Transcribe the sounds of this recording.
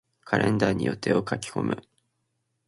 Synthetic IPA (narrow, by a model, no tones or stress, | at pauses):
kʰaɾʔẽ̞nd̪aːɲ̟ijo̞t̪ːe̞okakʲi̥ko̞mɯ̟